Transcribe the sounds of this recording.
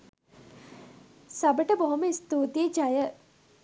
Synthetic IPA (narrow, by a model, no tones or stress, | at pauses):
sɐbəʈəbɐɦoməist̪oːt̪iəd͡ʒajə